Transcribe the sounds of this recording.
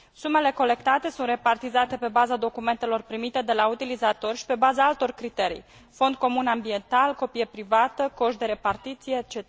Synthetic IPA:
sume̞le̞ko̞le̞kt̪at̪e̞sunt̪re̞part̪izat̪e̞pe̞bazad̪o̞kume̞nt̪e̞lo̞rpɾimit̪e̞d̪e̞laut̪ilizat̪o̞rʃi̥pe̞bazaalt̪o̞rkɾit̪e̞ɾḭj | fo̞nd̪̚ko̞munambie̞nt̪alko̞pijepɾivat̪əko̞ʃd̪e̞ɾe̞part̪it̪sijet͡ʃe

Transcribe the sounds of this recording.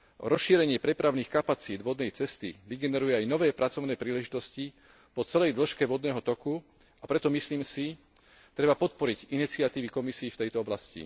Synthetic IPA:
ɾɔsʃiːɾɛɲɪɛpɾɛpɾaʊniːxkapat͡siːd̪ʋɔd̪nɛjt͡sɛst̪ḭʋiɡɛnɛɾujɛajnɔʋɛːpɾʔat͡sɔʊnɛːpɾiːlɛʒit̪ɔsci | pɔt͡sɛlɛjd̪l̩ʃkɛʋɔd̪nɛːɦɔt̪ɔku | apɾɛt̪ɔmisliːmsi | t̪ɾɛbapɔt̪̚pɔɾiɟinit͡siɪat̪iːʋikɔmisiːft̪ɛjt̪ɔɔblascḭ

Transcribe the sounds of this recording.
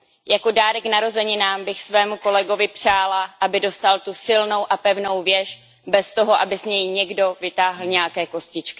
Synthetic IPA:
jako̞daːɾɛknaɾo̞zɛɲɪnaːmbɪxsvɛːmuko̞lɛɡo̞vɪpr̝̥aːlaʔabɪdo̞st̪alt̪usɪlno̞wʔapɛvno̞wvjɛʃ | bɛst̪o̞ɦo̞ʔabɪzɲɛjɲɛɡdo̞vɪt̪aːɦl̩ɲɛjakɛːko̞scɪt͡ʃkɪ̥

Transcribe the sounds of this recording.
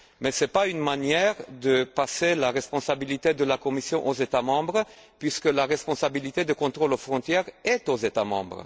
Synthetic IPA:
mɛsɛpaynmanjɛʁd̪əpaselaʁɛspɔ̃sabilit̪ed̪əlakɔmisjɔ̃ʔozet̪amɑ̃bʁəpɥiskəlaʁɛspɔ̃sabilit̪ed̪əkɔ̃t̪ʁolofʁɔ̃t̪jɛʁɛt̪ozet̪amɑ̰̃bʁə̰

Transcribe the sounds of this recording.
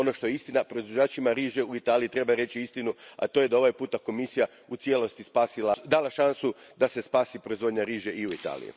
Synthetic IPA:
ono̞ʃt̪o̞jeist̪inapɾo̞izʋod͡ʒaːt͡ʃimaɾiːʒeuit̪aːlijit̪ɾe̞baɾe̞t͡ʃiist̪inua̰t̪oje̞d̪ao̞ʋajpuːt̪ako̞misija | ut̪sje̞lˠo̞st̪ispaːsilˠad̪aːlˠaʃansud̪ase̞spaːsipɾoizʋod̪ɲaɾiːʒeʔiuit̪a̰ːlḭṵ

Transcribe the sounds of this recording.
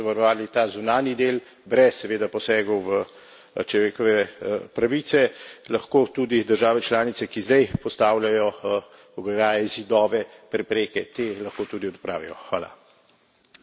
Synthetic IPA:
ʋaɾɔʋaːlit̪aːzunaːnjid̪eːl | bɾɛsːɛʋeːd̪apɔsɛːɡɔwʋə | t͡ʃlɔʋeːkɔʋɛpɾaʋiːt̪sɛlɐxkoːt̪ud̪id̪əɾʒaːʋɛt͡ʃlaːnit̪sɛkizd̪ɛjpɔst̪aːwlʲjajɔ | ɔɡɾaːjɛzid̪ɔːʋɛpɾɛpɾeːkɛt̪eːlɐxkoːt̪uːd̪iɔd̪pɾa̰ːʋijɔ̰xʋa̰ːla̰

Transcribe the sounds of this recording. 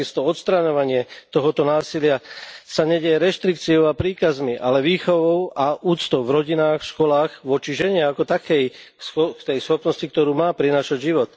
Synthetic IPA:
ist̪ɔɔt̪st̪ɾaɲɔʋaɲɪɛt̪ɔɦɔt̪ɔnaːsilɪasaɲɛɟɛjɛɾɛʃt̪ɾikt͡siɔʊapɾiːkazmiʔa̰lɛʋiːxɔʋɔʊaʔuːt̪t͡st̪ɔʊvɾɔɟinaːxfʃkɔlaːɣʋɔt͡ʃiʒɛɲɛakɔt̪akɛjsɔkt̪ɛjsxɔpnɔscik̚t̪ɔɾuːmaːpɾinaːʃaɟʒiʋɔt̪

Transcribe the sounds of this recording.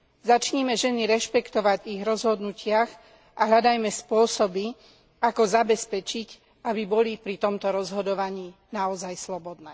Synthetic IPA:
zat͡ʃɲɛmɛʒɛniɾɛʃpɛkt̪ɔʋaɟviɣɾɔzɦɔd̪nucɪax | ʔaɦʎad̪ajmɛspʊɔsɔbi | akɔzabɛspɛt͡ʃic | abibɔlipɾit̪ɔmt̪ɔɾɔzɦɔd̪ɔʋaɲiːnaɔzajslɔbɔd̪nɛː

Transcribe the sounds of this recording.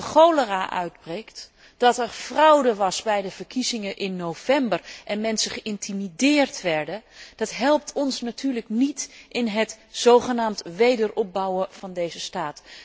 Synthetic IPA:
χowləraːʔœ̰ɥdbrejkt | d̥ɑtɛɹv̥rɑwdəʋɑsbɛjdəv̥əɹkʰizɪŋəʔɪnːov̥ɛmbərʔɛnmɛnsəχəʔɪntʰimidɪːrtʋɛɹdəd̥ɑtɦɛlˠp̚tʰɔnsnatyːɹləknitʔɪnɦətz̥owχənaːmtʋejdəɹɔp̚bɑwəv̥ɑndejzəstaːt

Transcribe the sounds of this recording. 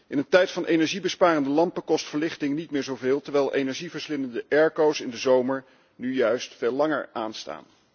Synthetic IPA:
ʔɪnəntɛjtfɑnʔejnɛɹʒibəspaːrəndəlɑmpəkɔstfəɹlɪχtɪŋnitmɪːɹzowvɪːlˠtəɹʋɛjlˠʔejnɛɹʒivəɹslɪnəndəʔɛɹkowsɪndəzowməɹ | nyjœɥstfeːlɑŋə̰ɹaːnsta̰ːn

